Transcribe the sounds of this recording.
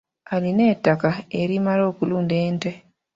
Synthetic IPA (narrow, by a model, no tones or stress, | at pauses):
aline̞tːakaeɾimalo̞ːkuluːnde̞ːnte